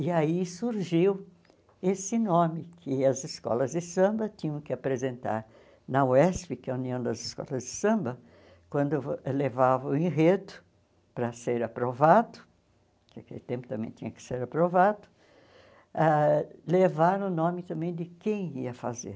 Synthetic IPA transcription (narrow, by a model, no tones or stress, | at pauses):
ɪaisuɾʒiw | esɪnõmɪkʰɪɐzɪskɔ̰lɐzd̪ɪsɐ̃mbɐt̪ĩɲɐ̃w̃kɪapɾezẽnt̪a̰ɾ | nɐwɛspɪkɛɐuniɐ̃w̃d̪ɐzɪskɔ̰lɐzd̪ɪsɐ̃mbɐ | kwɐ̃nd̪ʊlevavɐĩɦet̪ʊ̥ | pɾɐseɾapɾovad̪ʊ̥ | kɪakelɪt̪ẽmpʊt̪ɐ̃mbẽj̃t̪ĩɲɐkɪ̥seɾapɾovad̪ʊ̥ | alevaɾ̃ʊnõmɪt̪ɐ̃mbẽj̃d̪ɪkẽj̃iɐfazḛɾ